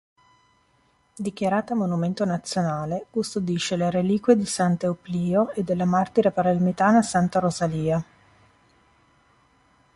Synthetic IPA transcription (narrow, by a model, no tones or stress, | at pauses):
d̪ik̟jaɾaːt̪amonument̪onat̪sːjonaːlekust̪od̪iʃːeleɾeliːkwed̪isant̪eopliːoed̪ːelːamart̪iɾepaɾalmit̪aːnasant̪aɾozaliːa